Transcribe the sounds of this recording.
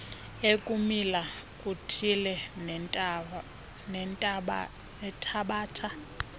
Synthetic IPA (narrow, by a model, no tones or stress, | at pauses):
ekʼumila | kʼutʰilɛ | nɛntʼ | nɛtʰaɓaːtʰa